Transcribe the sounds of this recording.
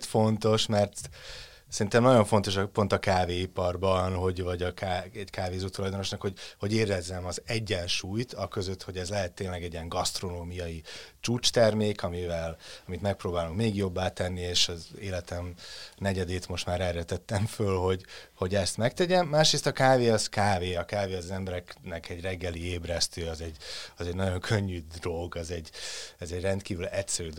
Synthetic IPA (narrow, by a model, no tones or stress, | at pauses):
t̪fo̞nt̪o̞ʃmɛrt̪ | sɛɾint̪ɛmnɒɟo̞ɱfo̞n̪t̪o̞ʃɒpo̞nt̪ɒkaːveːipɒrbɒnɦo̞ɟvɒɟɒkaːɛɟkaːveːzuːt̪ulɒjd̪o̞no̞ʃnɒkho̞ɟho̞ɟeːɾɛzːɛmɒzɛɟːɛnʃuːjt̪ɒkøzøt̪ho̞ɟɛzlɛɦɛt̪ːeːnlɛɡɛɟiɛŋɡɒst̪ro̞noːmijɒjit͡ʃuːt͡ʃt̪ɛrmeːkɒmivɛlɒmit̪mɛk̚proːbaːluŋkmeːɡjo̞bːaːt̪ɛnːieːʃɒzeːlɛt̪ɛmnɛɟɛd̪eːt̪mo̞ʃt̪maːɾɛrjøt̪ɛt̪ːɛɱfølho̞ɟho̞ɟɛst̪mɛk̚t̪ɛɟɛmːaːʃɾeːst̪ɒkaːveːɒzkaːveːɒkaːveːɒzɒzɛmbɛɾɛknɛkɛɟrɛɡːɛlieːbrɛst̪øːɒzɛɟɒzɛɟnɒɟo̞ŋkʰø̞ɲːyd̪ro̞lɡɒzɛɟːɛzɛɟrɛnt̪kiːvylɛtsɛɾyːd̪